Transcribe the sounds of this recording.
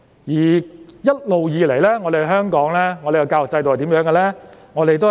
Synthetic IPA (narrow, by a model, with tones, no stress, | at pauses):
jiː˨˩jɐ˥t̚lo˨wjiː˨˧le˨˩jlɛː˥ŋɔː˧d̪e˨˩hhœː˥ŋkɔː˨˥ŋlɛː˥ŋɔː˨˧de˨jkɐ˧kaː˧wt͡sɐ˧jt̪oː˨˩jt̪i˨˥mjœː˨˥ŋɡɛ˧lɛː˥ŋɔː˨˧ɾe˨jt̪o˥